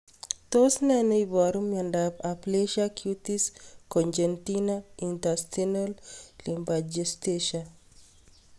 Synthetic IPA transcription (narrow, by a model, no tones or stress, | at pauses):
t̪osnɛneibaɾumjandapapleʃakʰjut̪iskɔnd͡ʒent̪inaint̪astinollimbad͡ʒest̪eʃa